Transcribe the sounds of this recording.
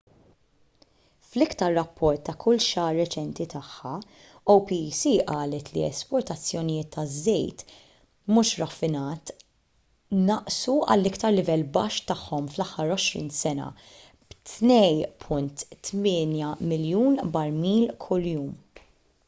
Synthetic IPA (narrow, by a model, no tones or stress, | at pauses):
flɪkt̪ɐɾːɐpʰːɔɾt̪ːɐkʰʊlʃɐːɾːɛt͡ʃɛnt̪it̪ɐħːɐ | owpisiʔɐːlɛt̪lḭɛ̰spɔɾt̪ɐt͡sːjɔnɪjɪːt̪ːɐzːɛjt̪ | muːʃɾɐfɪnɐːt̪ | nɐʔsuɐ̰lːɪkt̪ɐɾlɪvɛlːbɐʃt̪ɐħːɔmflɐħːɐɾɔʃɾḭːnsɛnɐ̰ | b̥t̪nɛjpʰʊnt̪ːmɪːnjɐmɪljuːnbɐɾmiːlkʰʊljuːm